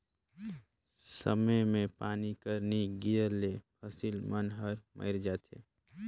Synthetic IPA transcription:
sə̰məmẽpaːnikəɾniɡijəɾlepʰəsilmənɦəɾmʔə̰ɪɾd͡ʒaːt̪ḛː

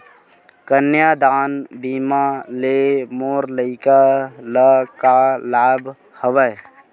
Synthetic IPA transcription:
kənjad̪aːnbiːmalemoːɾləɪkaləkalaːbʱ | həʋə

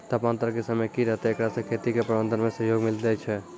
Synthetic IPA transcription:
t̪əpãnt̪ɾəkesəməjkiɾəɦt̪eekɾasẽkʰet̪ikepɾəbə̃nd̪ʱənmẽsəɦjoɡmild̪ɛt͡ʃʰɛ

